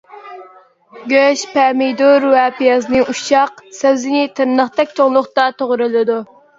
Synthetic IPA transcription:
ɡʲøʃpʰɛmɪjd̪uɾwɛpijɑznɨʔuʃɑqsæwzɪnɪt̪ʰɨɾnəχt̪ʰɛk̚ʲt͡ʃʰoŋlˠʊχt̪ɑt̪ʰoʁɾɨlˠɨd̪u

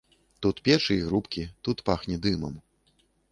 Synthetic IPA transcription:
t̪ut̪pʲɛt͡ʂɨiɣɾupkʲit̪ut̪paxnʲɛd̪ɨmɐ̰m

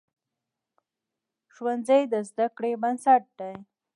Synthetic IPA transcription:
ʒwanzajd̪əzd̪akɽebansaʈ̚d̪aj

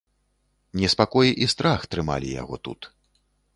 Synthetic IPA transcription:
nʲɛspakɔjiʔist̪ɾaxt̪ɾɨma̰lʲḭja̰ɣɔ̰t̪ṵt̪

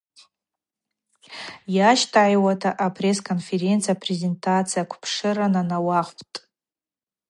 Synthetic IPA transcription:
jaʃtʰaːjwatʰaʔapʰre̞skʰonfe̞ɾe̞nt͡sʰijapʰreze̞ntʰat͡sʰijakʷʰpʰʂɨɾananawaχʷpʰʼtʼ

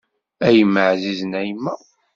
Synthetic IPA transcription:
æjəmːəʕziznæjmːæ

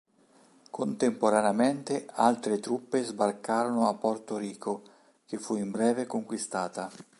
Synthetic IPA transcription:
kʰont̪empoɾaneament̪ealt̪ɾet̪ɾupːezbarkaːɾonoapːɔrt̪oɾiːkʰo | k̟efːuimbɾɛːvekoŋkwist̪aːt̪a

